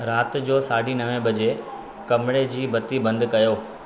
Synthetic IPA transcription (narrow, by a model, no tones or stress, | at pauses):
ɾaːt̪d͡ʑoːsaːɖinɐʋẽbɐd͡ʑe | kɐmɪɽed͡ʑiːbɐt̪ibɐ̃nd̪kɐjoː